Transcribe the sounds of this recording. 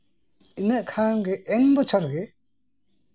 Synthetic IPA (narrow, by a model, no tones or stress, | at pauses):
inəʔkʰanɡɛʔɛŋbɔt͡ʃʰɔɾɡɛ